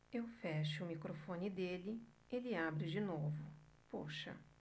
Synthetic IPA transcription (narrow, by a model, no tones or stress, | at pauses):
ewfɛʃʊʊmikɾofõnɪd̪elɪ | elɪabɾɪd͡ʒɪnovʊpoʃɐ̰